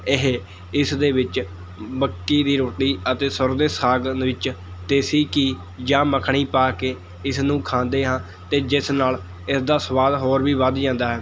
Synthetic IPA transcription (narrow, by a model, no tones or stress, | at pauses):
ɪɦ | ɪsd̪eːʋɪt͡ʃ | bəkːiːd̪iːɾoːʈiːət̪eːsʊɾd̪eːsaːɡnʋɪt͡ʃ | t̪eːsiːkiː | d͡ʒãːməkʰɳiːpaːkeː | ɪsnũːkʰãːnd̪eːɦãː | t̪eːd͡ʒɪsnaːl | ɪsd̪aːsʋaːd̪ɦoːɾʋiːʋəd̪d͡ʒãːnd̪aːɦɛː